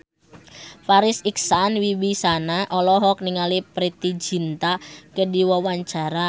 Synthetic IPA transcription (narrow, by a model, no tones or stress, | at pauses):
faɾɪsiksanwiwisanaʔɔlɔɦɔk̚niŋalipɾit̪id͡ʒi̤nt̪akədiwɔwaɲt͡ʃaɾa